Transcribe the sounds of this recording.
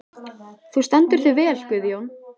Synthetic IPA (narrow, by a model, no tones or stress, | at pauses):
θust̪ɛnt̪ʏɾ̥θʏvɛːɛlkʏðjown